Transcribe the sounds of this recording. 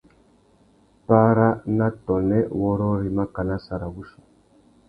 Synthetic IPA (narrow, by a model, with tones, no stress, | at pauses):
pa˦ɾa˦na˦tɔ˨nɛ˦wɔ˦ɾɔ˦ɾi˨ma˦ka˨na˦sa˨ɾa˨βu˦su̥˨